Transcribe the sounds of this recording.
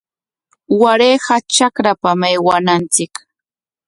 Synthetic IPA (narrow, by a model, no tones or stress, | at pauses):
waɾeːɢɑt͡ʃakɾapamajwanant͡sɪk